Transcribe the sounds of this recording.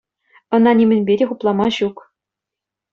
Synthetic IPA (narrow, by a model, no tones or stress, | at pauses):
ɤ̆nɑnʲimʲɘ̆nʲbʲedʲeχuplˠɑmɑɕuk